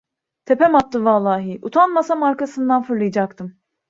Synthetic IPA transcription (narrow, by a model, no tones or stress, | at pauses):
t̪ʰepɛmap̚t̪ːɯvalˠːaːɦiʔut̪ʰanmasamaɾkasɯnd̪anfɯɾlˠɯjd͡ʒak̚t̪ʰɯm